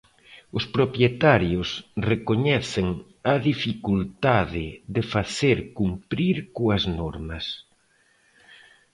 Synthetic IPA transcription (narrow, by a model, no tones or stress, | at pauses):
ʊspɾopjet̪aɾjʊsrekoɲɛθeŋ | ɐðifikult̪aðɪðefaθeɾkumpɾiɾkoɐznɔɾmɐs